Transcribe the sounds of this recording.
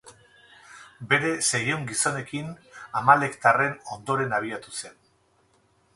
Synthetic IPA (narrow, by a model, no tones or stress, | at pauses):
be̞ɾe̞sejoŋɡiso̞ne̞kinamale̞kt̪are̞no̞nd̪o̞ɾe̞naβ̞iat̪use̞n